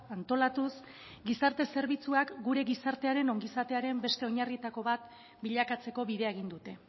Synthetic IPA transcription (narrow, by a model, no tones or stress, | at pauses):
ant̪o̞lat̪us | ɡisaɾt̪e̞se̞ɾβit͡suakɡuɾe̞ɣisaɾt̪e̞aɾe̞no̞ŋɡisat̪e̞aɾe̞mbe̞st̪e̞oɲarit̪ako̞βat̪ | biʎakat͡se̞ko̞βiðe̞aeɣ̞ind̪ut̪e̞